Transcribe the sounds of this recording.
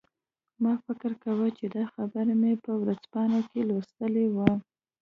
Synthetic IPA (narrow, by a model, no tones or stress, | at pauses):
mɑfɪkɪɾkawət͡ʃed̪ɑxabəɾamepəwɾazpɑnakelost̪əlewə